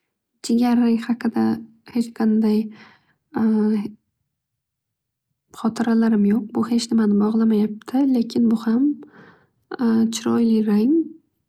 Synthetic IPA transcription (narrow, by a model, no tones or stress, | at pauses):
t͡ʃʰeɡʲaɾːaŋhɑqʰɨd̪a | he̞t͡ʃqʰɑnd̪aj | χɒt̪ʰɪɾalaɾɪmjoq̚bʊhe̞t͡ʃʰnɪmanɪbɒʁlˠamajap̚t̪ʰɪle̞kʲʰɪnbʊham | t͡ʃʰɪɾɒjlɪɾaŋ